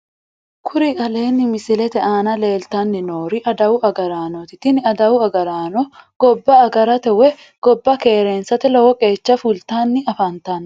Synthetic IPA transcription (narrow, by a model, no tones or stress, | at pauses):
kʰʊɾɪkʼɐle̞ːnːɪmɪsɪlɛt̪ɛʔaːnɐle̞ːlt̪ɐnːɪnoːɾɪʔɐd̪ɐwʊʔɐɡɐɾaːnɔt̪ɪt̪ːɪnɪɐd̪ɐwʊɐɡɐɾaːnɔɡ̥ɔbːɐːɡɐɾɐt̪ɛwɛ | ɡ̥ɔbːɐke̞ːɾe̞ːnsɐt̪ɪlɔwɔkʼe̞ːt͡ʃːɐfʊlt̪aːnːɪɐfant̪aːn